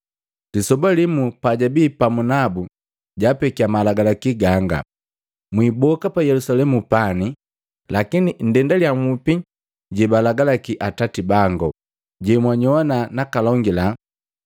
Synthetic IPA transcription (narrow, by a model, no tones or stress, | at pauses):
lisɔbalimupaɟabiːpamunabu | ɟapɛkiamalaɡalakiɡaŋɡa̰ | mwibɔkapajɛlusalɛmupani | lakinin̩dɛndaljamupi | ɟɛbalaɡalakiʔatatibaŋɡɔ | ɟɛmwaɲɔwananakalɔŋɡila